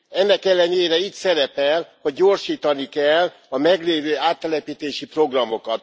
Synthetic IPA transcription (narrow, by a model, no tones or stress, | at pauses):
ɛnːɛkɛlːɛɲeːɾɛiːt̪sɛɾɛpɛlho̞ɟ̚ːo̞rʃiːt̪ɒnikɛl | ɒmɛɡleːvøːaːt̪ːɛlɛpiːt̪eːʃipro̞ɡrɒmo̞kɒt̪